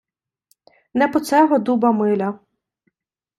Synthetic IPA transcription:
nɛpɔt̪sɛɦɔd̪ubɐmɪlʲɐ

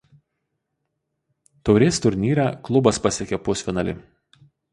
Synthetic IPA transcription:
t̪ɔʊɾʲeːst̪ʊɾʲnʲiːɾʲæklˠʊbɐspɐsʲekʲɛːpʊsfʲɪnɐlʲɪ̰

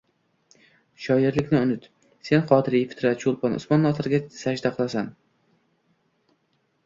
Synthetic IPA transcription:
ʃɒjɪɾlɪkʲnɪʊnɪt̪ | se̞nqʰɒːt̪ʰɪɾifɪ̥t̪ɾat̪ʃulˠpʰɒnʔʊ̰smɒnːɒt̪ɪɾɡʲasad͡ʒd̪aqʰɨlˠasan

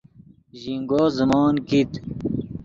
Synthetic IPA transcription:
ʑiŋɡoːzəmɑːnkit̪

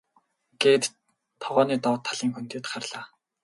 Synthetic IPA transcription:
ɡ̥eːt̪ | t̪ʰɔʁɔːniːt̪ɔːt̪ʰːaɮiːŋxunt̪ʊːt̪χarɮaː

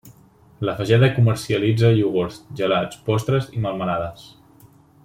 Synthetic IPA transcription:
ləfəʒɛðəkuməɾsiəlid͡zəʎuɣoɾsʒəlat͡spɔst̪ɾəziməlˠmənaðəs

